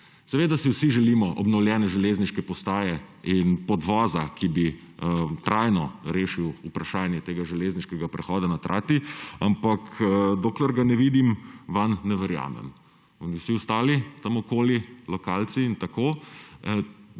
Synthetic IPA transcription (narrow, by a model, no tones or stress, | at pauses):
sɛʋeːd̪asiwsiʒɛlimɔʔɔbnɔwljɛːnɛʒɛleːzniʃkɛpɔst̪aːjɛinpɔd̪ʋɔːzakibi | t̪ɾʔajnɔɾeːʃiwupɾaʃaːnjɛt̪eːɡaʒɛleːzniʃkɛɡapɾɛxɔːd̪anat̪ɾʔaːt̪iampakd̪oklɛɾɡanɛʋiːd̪imʋanːɛʋɛɾja̰ːmɛ̰m | ɔniwsiʊst̪aːlit̪amɔkoːlilɔkaːlt̪siːnt̪akoː